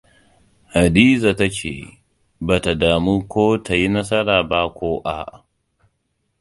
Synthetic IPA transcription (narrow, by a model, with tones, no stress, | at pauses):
ha˨diː˦za˨ta˦t͡ʃḛː˨ | baː˨ta˨daː˨mu˦kʷoː˦tʰa˨ji˦nɐ˦s̬ɐ˦ɾaː˨ba˦kʷoː˦ʔa̰˦˨ʔ